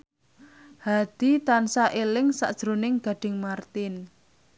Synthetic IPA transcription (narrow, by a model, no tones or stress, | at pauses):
had̪̥i̤t̪ansaʔelɪŋsa̰ʔd̥ʒ̥ɾonɪŋɡ̥a̤ɖ̥ɪ̤ŋmart̪ɪn